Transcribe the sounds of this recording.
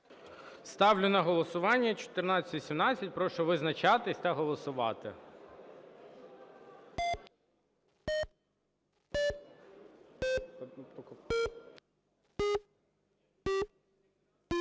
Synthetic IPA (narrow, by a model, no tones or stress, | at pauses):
st̪ɑwlʲʊnɐɦɔlˠɔsʊʋɑnʲːɐt͡ʃɔ̥t̪ɪrnɑt͡sʲɐt̪ʲʋʲisʲimnɑt͡sʲːɐt̚ʲpɾɔʃɔʋɪznɐt͡ʃɑt̪ɪsʲt̪ɐɦɔlˠɔsʊʋɑ̰t̪ɪ̰